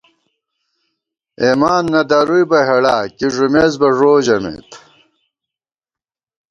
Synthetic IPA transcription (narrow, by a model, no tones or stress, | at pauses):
emaːnːɐd̪ɐɾujbɐɦeɽaːkiʐumeːzbɐʐoːʑɐmḛt̪